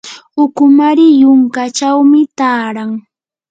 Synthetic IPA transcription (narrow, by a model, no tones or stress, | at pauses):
ʊkʊmaɾɪjʊŋkat͡ʃawmɪt̪aːɾaŋ